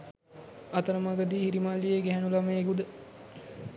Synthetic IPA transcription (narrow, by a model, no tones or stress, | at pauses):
ɐt̪əɾəmaɡəd̪iːhiɾimalːijeɡɛɦænulaməeɡud̪ə